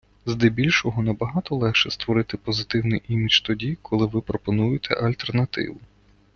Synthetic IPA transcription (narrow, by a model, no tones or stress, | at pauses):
zd̪ɛbʲilʲʃɔɦɔnɐbɐɦɑt̪ɔlˠɛkʃɛst̪ʋɔɾɪt̪ɪpɔzɪt̪ɪwnɪjʔimʲit͡ʃt̪ɔdʲikʰɔlˠɪʋɪpɾɔpɔnujɪt̪ʰɛ̰ʔɐlʲt̪ernɐt̪ɪ̰ʋʊ